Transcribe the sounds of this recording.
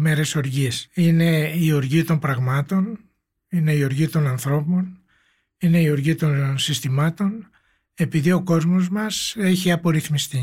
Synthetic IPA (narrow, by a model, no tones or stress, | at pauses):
me̞ɾe̞so̞ɾʝisine̞ioɾʝit̪o̞mpɾɐɣmɐt̪o̞n | ine̞ioɾʝit̪o̞nɐnθɾo̞po̞n | ine̞ioɾʝit̪o̞nnsist̪imɐt̪o̞n | e̞piðio̞ko̞zmo̞zmɐse̞çiɐpo̞ɾiθmist̪i